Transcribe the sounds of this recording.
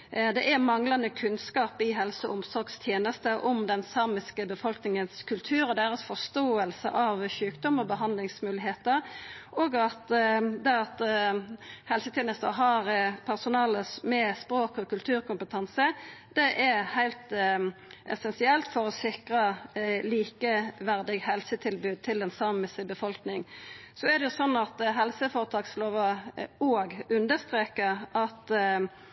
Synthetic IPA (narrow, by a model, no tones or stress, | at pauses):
d̪ɛʔæɾmɑŋlɑnəkʰʉnskɑːpɪɦɛlsəʊmsɔɾɡst̪ʰjeːnəst̪əʔʊmd̪ɛnsɑːmɪskəbəfɔlknɪŋənskʰʉlt̪ʰʉːɾɔd̪æɾɑsfɔʂt̪oːəlsə̰ʔɑʋçʉːkd̪ɔmɔbəɦɑnd̪lɪŋsmʉːlɪɦeːt̪əɾʔoːɡɑt̪d̪ɛɑt̪ | hɛlsət̪ʰjeːnəst̪ə̰ɦɑɾpʰæʁsʊnɑːləsmɛspɾoːkɔkʉlt̪ʰʉːɾkʊmpət̪ʰɑnsəd̪̥ɛʔɛɾhæɪlt̪ | ʔɛ̰sɛnsɪɛlt̪fɔɾɔsɪkʁɑliːkəʋæʁd̪ɪɡhɛlsət̪ʰɪlbʉːd̪̚t̪ʰɪld̪ɛnsɑməsɪbəfɔlknɪŋsɔɛʁd̪ɛjʊsɔnːɑt̪ɦɛlsəfoːɾət̪ʰɑːksloːʋəoːɡʉnd̪əst̪ʁeːkəɾɑt̪